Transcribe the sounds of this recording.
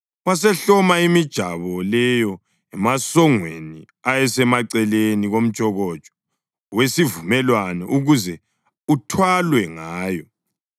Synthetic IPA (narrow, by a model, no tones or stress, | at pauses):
was̬ɛɬɔmaimid̥ʒ̥ʱa̰βɔlɛjɔ | ɛmasɔŋweni | ajɛsɛmaǀɛleniɣom̩̥t͡ʃʼɔɣɔd̥ʒ̥ʱɔ̥ | wesivumɛlwanɛʔuɣuzɛ | utʰwalwɛŋaːjɔ